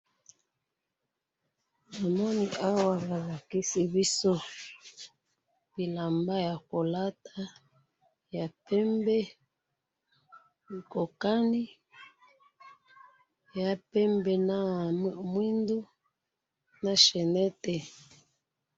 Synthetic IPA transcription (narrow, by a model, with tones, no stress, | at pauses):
na˨mɔ˦ni˨ʔa˦wa˨βa˨la˨ki˦si˦βi˦sɔ˦ | b̥i˨la˨mba˦ja˨ko˨la˦ta˦ | ja˨pɛ˦mbɛ˦ | i˨ko˨ka˦ni˦ | ja˨pɛ˦mbɛ˨na˦˨m˦˨mwi˦ndu˦ | na˨ʃɛ˨nɛ˦tɛ˨